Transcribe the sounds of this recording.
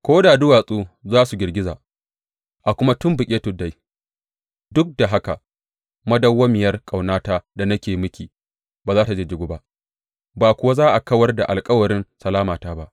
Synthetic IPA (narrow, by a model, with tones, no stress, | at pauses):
kʷoː˦daː˨dʊ˦waː˨sʼuː˦zaː˦su˨ɡʲɪ˨rɡʲɪ˦zaː˨ | ʔa˨kʷʊ˦ma˦tʊ˦mbɪ˨kʲʼeː˦tʊ˨da˦j | dʊ˦k̚da˨ɦa˦ka˨ | mɐ˦dɐ˦wːa˦mɪ˨jɐ˦rkʼa˨wnaː˦taː˦da˨nɐ˦kʲeː˨mʊ˦kʲiː˨ | baː˨zaː˦ta˨d͡ʒeː˦d͡ʒɪ˨˦ɡʷoː˦ba˦ʔ | baː˨kʷʊ˨wa˦zaː˦ʔa˨kɐ˦wɐ˦rda˨ʔa˨lkʼɐ˦wɐ˨ɾɪ˦nsɐ˨laː˦maː˨taː˦ba˦ʔ